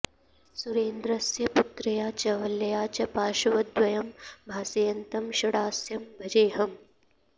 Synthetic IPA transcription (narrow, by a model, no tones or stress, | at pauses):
suɾeːnd̪ɾɐsjɐput̪ɾɐjaːt͡ʃɐʋɐlːɐjaːt͡ʃɐpaːʃɐʋɐd̪ʋɐjɐmbʱaːsejɐnt̪ɐmʃɐɽaːsjɐmbʱɐd͡ʒeːɦɐm